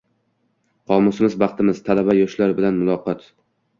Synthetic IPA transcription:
qʰɒmʊsɪmɪzbɑqt̪ʰɪmɪz̥t̪ʰalabajɒʃlaɾbɪlanmʊlˠɒqɒt̪

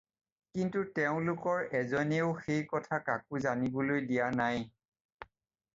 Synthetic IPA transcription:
kintutɛʊ̃lʊkɔɹɛzɔneʊxejkɔtʰakakuzanibɔlojdijanaj

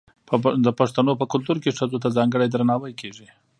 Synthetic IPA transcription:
pd̪əpaʂt̪anopəkʊlt̪uɾkeʂazot̪azɑŋɡəɽajd̪ɾanɑwajkʰeʐi

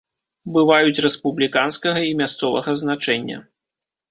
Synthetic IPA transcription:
bɨvajut͡sʲrɛspublʲikanskɐɣɐimʲast̪sɔvɐ̰ɣɐznat͡ʂɛnʲːɐ̰

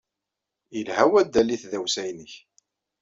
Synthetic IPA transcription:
əlhæwæd̪ːæliθðæwsæjnəç

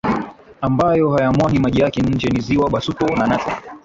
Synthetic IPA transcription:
ambajɔhajamwaɡimaʄijakɛɲ̩d͡ʒɛniziwaɓasutɔnanata

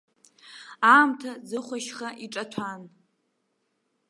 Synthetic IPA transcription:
aːmtʰad͡zɨχʷaʃχaʔiʈ͡ʂʼatʷʰan

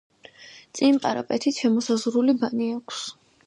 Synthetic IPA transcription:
t̪sʼinpʼaɾa̰pʼɛt̪ʰit̪ʰʃɛmɔsazʁɾulibaniakʷʰs

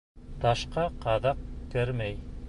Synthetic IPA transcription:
t̪ɑʃqɑqɑðɑq̚kɘɾmæj

